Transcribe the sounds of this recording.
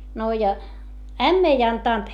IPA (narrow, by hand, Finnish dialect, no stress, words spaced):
no jɑ æmː ei ɑntɑˑnt